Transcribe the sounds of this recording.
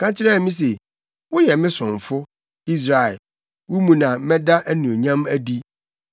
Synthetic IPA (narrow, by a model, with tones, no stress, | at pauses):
kʰã˦t͡ɕʰɪ˦ɾɛ˦˨mĩ˦s̬e˨ | wʊ˦jɛ˨mɪ̃˦sʊ̃˨ɱ˨fʊ˦ | i˦s̬ɾa˨ɛ˨ | wʊ˦mũ˨nã˨˦mɛ̃˦da˦ʔæ˦nũ˨o˨ɲã˦mæ˦di˦